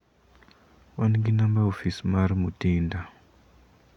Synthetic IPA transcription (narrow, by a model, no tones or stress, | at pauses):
wanɡinambaofismaɾmutiːnda